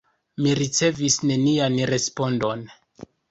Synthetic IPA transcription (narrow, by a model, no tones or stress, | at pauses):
miɾit͡se̞visne̞nianɾe̞spo̞ndo̞n